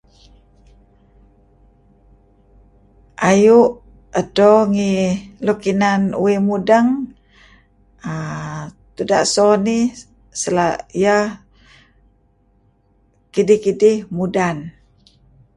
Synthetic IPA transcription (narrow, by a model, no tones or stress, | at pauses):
ʔajuʔ | ədoŋilokinanṵwimudəŋ | ə | t̪uda̰ʔsoni | səlaijəh | kidihkidihmudan